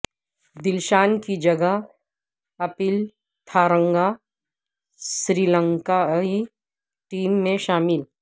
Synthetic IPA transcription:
d̪ɪlʃaːnkid͡ʒɐɡəɦ | ɐpɪl | t̪ʰaːɾə̃ŋɡa | sɾiːlə̃ŋkai | ʈiːmːẽʃaːmɪl

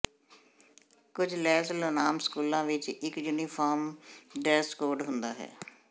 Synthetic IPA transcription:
kʊd͡ʒlɛːsəlonaːmskuːlãːʋɪt͡ʃɪkjuːniːpʰaːɾmɖɛːsʈkoːɾɖɦʊnd̪a̰ːɦɛ̰ː

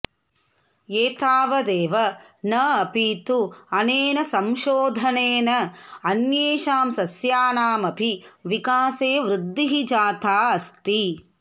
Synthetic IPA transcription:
eːt̪aːʋɐd̪eːʋɐnɐɐpiːt̪uɐneːnɐsɐmʃoːd̪ʱɐneːnɐɐnjeːʃaːmsɐsjaːnaːmɐbʱiʋikaːseːʋɾud̪ːiɦid͡ʒaːt̪aːɐst̪i

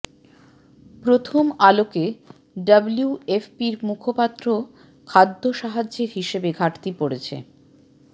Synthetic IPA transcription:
pɾot̪ʰomaloke | ɖabluefpiɾmukʰopat̪ːɾo | kʰad̪ʱːoʃaɦad͡ʑːeɾɦiʃebeɡʱaʈt̪ipoɾet͡ɕʰḛ

